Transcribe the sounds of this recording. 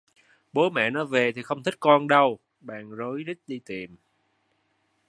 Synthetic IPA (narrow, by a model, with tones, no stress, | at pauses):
ɓo˨˦mɛ̰˧˨nɔ˨˦ve˨˩t̪ʰi˨˩xə˧wŋ͡mt̪ʰi˦˥k̟̚kɔ˧nɗə˧w | ɓa̰ː˧˨ŋzoː˨˦jzi˦˥k̟̚ɗi˧t̪i˨˩m